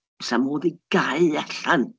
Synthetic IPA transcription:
samoːðiɡ̥aɨɛɬan

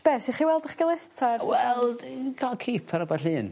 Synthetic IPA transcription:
b̥ɛsiχiwɛlˠdəχɡəlˠɛtʰarwɛlˠɡʰalˠkʰiːpʰaɾəbaɬɨːn

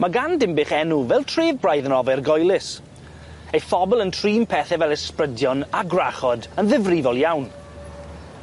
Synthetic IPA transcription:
maɡandɪmbɪχɛnuvɛlˠtʰreːvbrajðənɔvɛrɡɔjlˠɪs | ejfɔbɪlˠəntʰriːmpʰɛθɛvɛlˠɛsprədjɔnaɡraχɔdənðɪvrivɔlˠjawn

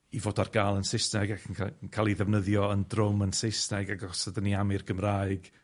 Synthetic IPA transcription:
ivoːdarɡ̥aːlˠənsɪsnɛɡakʰənʰkʰaːlˠiðɛvnəðjɔəndrʊmənsɪsnɛɡaɡɔsədəniamɪrɡəmraːɨɡ̥

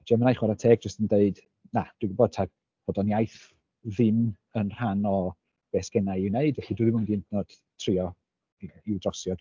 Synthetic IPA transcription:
d͡ʒɛmənajχwaɾatʰɛːɡ̚d͡ʒəstəndeɨd | nad̥wiɡboːd̥̚tʰa | b̥ɔdɔnjajθ | ðɪm | ənr̥anɔ | b̥ɛsɡ̥ɛnajɪwneɨdvɛɬidwuðɪmʊndiɪntʰnɔd̥ | tʰrɪɔ | iwdrɔsjɔɡ

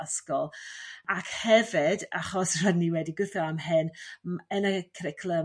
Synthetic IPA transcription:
əskɔlˠakʰhɛvɪda̰χɔsr̥adniwɛdiɡʊθɔamɦɨnmɛnakʰɾɪkʰlˠə

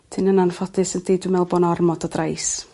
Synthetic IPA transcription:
tʰɪnənanfɔdɨsənd̥ejdɪmɛlˠbɔnɔrmɔdɔdrajs

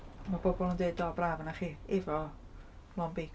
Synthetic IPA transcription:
mabɔbɔlˠəndedɔbraːvənaχiːɛvɔ | lˠɔnbik

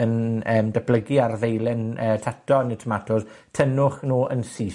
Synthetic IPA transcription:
ənəːmdəbləɡiarðejlɪnəːtʰatʰɔnɪtʰəmatʰʊð | tʰənʊχnuːʔənsiː

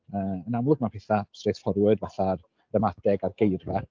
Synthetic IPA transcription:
əːənamlˠʊɡ̚mapʰɛθḁsreθfɔɾjʊɨdvaɬar | rɛmadɛɡarɡ̥ejrvɛ

